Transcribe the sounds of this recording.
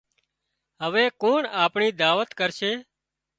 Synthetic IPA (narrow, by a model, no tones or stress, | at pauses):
ɦəʋeːkoːɳaːpɳiːd̪aːʋət̪kəɾʃeː